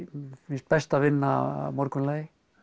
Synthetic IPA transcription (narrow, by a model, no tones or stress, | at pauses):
fɪst̪̚bɛst̪avɪnːa̰mɔɾkʏnleːj